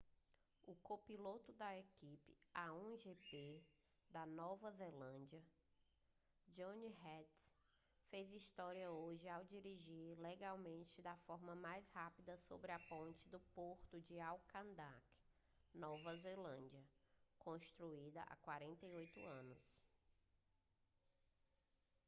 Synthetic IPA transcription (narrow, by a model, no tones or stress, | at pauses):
ʊkopilot̪ʊd̪ɐekipɪ̥aõʒepe | d̪ɐnɔvɐzelɐ̃d͡ʒiɐ | d͡ʒõniɦɛt̪ | fejzist̪ɔɾiɐoʒɪawd͡ʒiɾiʒiɾleɡawmẽnt͡ʃɪd̪ɐfɔɾmɐmajshapid̪ɐsobɾɪɐpõnt͡ʃɪd̪ʊpoɾt̪ʊd͡ʒɪawkʰɐ̃nd̪ak | nɔvɐzelɐ̃nd͡ʒɐkõst̪ɾuid̪ɐʔa̰kwaɾẽnt̪ɐiojt̪ʊ̰ɐ̃nʊs